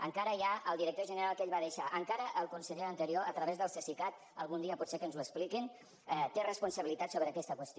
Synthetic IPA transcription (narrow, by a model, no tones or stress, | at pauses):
ə̰ŋkaɾəjaəlˠd̪iɾək̚t̪oʒənəɾalˠkeʎβaðəʃaʔəŋkaɾəʔəlˠkunsəʎeənt̪əɾioət̪ɾəβezðəlˠsəsikat̪ | əlˠɣund̪iəpɔt̪sekənzuəksplikin | ɛt̪erəspunsəβilit̪at̪soβɾəːkɛst̪əkwəst̪i